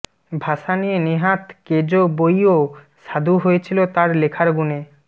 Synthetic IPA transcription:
bʱaʃanieneɦat̪ked͡ʑobojo | ʃad̪ʱuɦoet͡ɕʰilot̪aɾlekʰaɾɡune

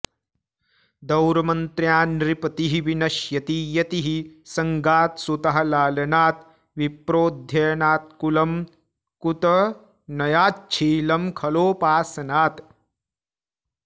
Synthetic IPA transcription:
d̪ɐwɾɐmɐnt̪ɾjaːnɾipɐt̪iɦiʋinɐʃjɐt̪ijɐt̪iɦisɐŋɡaːt̪sut̪ɐɦɐlaːlɐnaːt̪ | ʋipɾoːd̪ʱjɐjnaːt̪̚kulɐm | kut̪ɐ | nɐjaːt͡ʃʰiːlɐmkʰɐloːpaːsɐnaːt̪

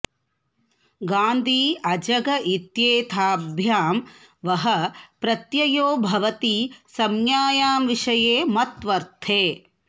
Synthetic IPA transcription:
ɡaːnd̪ʱiːɐd͡ʒɐɡɐʔit̪jeːt̪ʰaːbʱjaːm | ʋɐɦɐpɾɐt̪jɐjoːbʱɐʋɐt̪isɐmjaːjaːmʋiʂɐjeːmɐt̪ʋɐɾt̪ʰeː

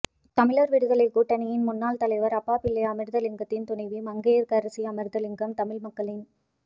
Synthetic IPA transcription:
t̪ɐmɪɭɐɾʋɪɽɯɣɐɭɐɪkuːʈːɐnɐjɪnmʊnːaːlt̪ɐlɐɪʋɐɾɐpːaːpɪlːɐɐmɪɾðɐlɪŋɡɐt̪ːɪnt̪ʊɳɐɪʋimɐŋɡejɐɾkɐɾɐsiɐmɪɾd̪ɐlɪŋɡɐmt̪ɐmɪɭmɐkːɐɭɪn

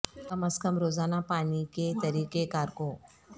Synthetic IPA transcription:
k̪ɐməskəmɾoːzaːnapaːniket̪ɐɾiːkekaːɾkõː

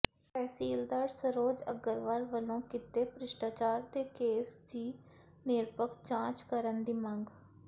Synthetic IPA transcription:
pɛːsiːld̪aːɾsəɾoːd͡ʒə̰ɡəɾʋaɾʋəlõːkɪt̪eːpɾɪʃʈaːt͡ʃaːɾt̪eːkeːsd̪iː | nɪɾpəkt͡ʃãːt͡ʃkəɾənd̪iːməŋɡ

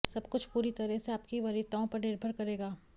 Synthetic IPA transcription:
sɐbkʊt͡ʃʰpuːɾit̪ɐɾɛɦseaːpkiʋɐɾit̪aõpɐɾnɪɾbʱəɾkɐɾeːɡaː

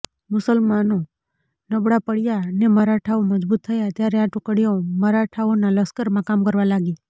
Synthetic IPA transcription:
mʊsəlmano | nəbɽapəɽjaneməɾaʈʰaoməd͡ʒbut̪ʰːəjat̪jaɾeaʈʊkəɽijoməɾaʈʰaonaləskəɾmãkamkəɾʋalaɡi

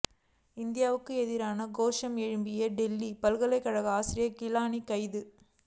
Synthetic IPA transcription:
ɪnd̪ɪjaːʋɯkːɯɛðɪɾaːnɐɡoːʂɐmɛɻɯmbɪjɐɖɛlːipɐlɣɐlɐɪkːɐɻɐɣɐaːsɪɾɪjɐkɪlaːnikɐɪðɯ

